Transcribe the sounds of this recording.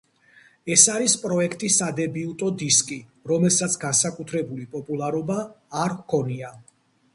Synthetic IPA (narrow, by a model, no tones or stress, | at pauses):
ɛsaɾispʼɾɔɛkʰt̪ʼisad̪ɛbiut̪ʼɔd̪iskʼiɾɔmɛlˠsat̪sʰɡansakʼut̪ʰɾɛbulipʼɔpʼulˠaɾɔbaːɾkʰɔnia